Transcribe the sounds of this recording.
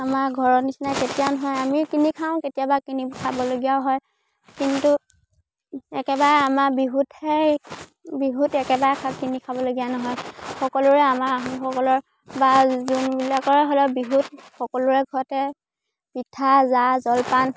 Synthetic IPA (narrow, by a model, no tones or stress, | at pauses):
amaɹɡʱɔɹɔnisinaketijanɔɦɔjamikinikʰaʊ̃ketijabakinikʰabɔloɡijaɦɔj | kintu | ɛkɛbaɹɛamaɹbiɦuthɛ | biɦutɛkɛbaɹɛkʰakinikʰabɔloɡijanɔɦɔjxɔkɔlʊɹɛamaaɦɔxɔkɔlɔɹ | bazunbilakɔɹɛɦolɔbiɦut̚xɔkɔlʊɹɛɡʱɔɹɔtɛ | pitʰazazɔlpan